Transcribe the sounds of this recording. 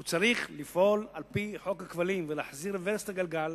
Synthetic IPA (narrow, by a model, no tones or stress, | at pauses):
ut͡saʁiχlifʔo̞lalpiħo̞khakvalimvelaːħziɾveɾstaɡalɡal